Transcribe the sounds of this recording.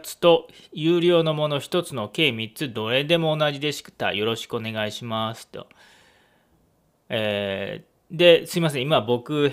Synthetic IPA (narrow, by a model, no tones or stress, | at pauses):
t͡sɨ̥t̪o̞jɯːɾʲo̞ːno̞mo̞no̞çi̥t̪o̞t͡sɨno̞ke̞ːmʲit͡sɨd̪o̞ɾe̞d̪e̞mo̞ːnaʑid̪e̞ɕi̥kt̪a̰jo̞ɾo̞ɕi̥kɯo̞ne̞ɡaiɕimasɨ̥t̪o̰ | eː | d̪e̞sɨimas̬ẽ̞imabo̞kɯ̟